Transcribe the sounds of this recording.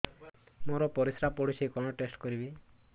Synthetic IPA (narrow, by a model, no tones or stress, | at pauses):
moɾɔpɔɾisɾapɔɽisekɔɽ̃ɔʈesʈkɔɾibi